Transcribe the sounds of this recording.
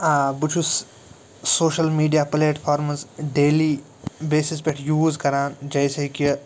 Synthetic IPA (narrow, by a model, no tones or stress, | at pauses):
abut͡ʃʰus | soːʃɐlmiːɖijaːpɐleːʈpʰaːɾmɐzɖeːliː | beːsis̬peʈʰjuːzkɐɾaːnd͡ʒɐjseki